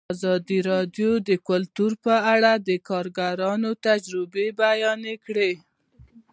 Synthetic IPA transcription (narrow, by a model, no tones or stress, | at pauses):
azɑd̪iɾɑɖjod̪əkʊlt̪uɾpəaɽad̪əkɑɾɡaɾɑnot̪ad͡ʒɾɪbebajɑnekɽe